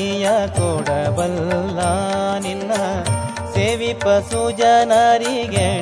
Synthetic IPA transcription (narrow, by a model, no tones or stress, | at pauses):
jakoːɽɐbɐlːaninːɐ | seːʋipːɐsuːd͡ʒanaɾiɡe